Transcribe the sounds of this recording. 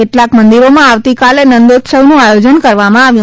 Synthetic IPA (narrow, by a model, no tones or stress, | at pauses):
eʈlakmənd̪iɾomãaʋt̪ikalenənd̪ot̪ʃəʋnũajod͡ʒənkəɾʋamãaʋjũ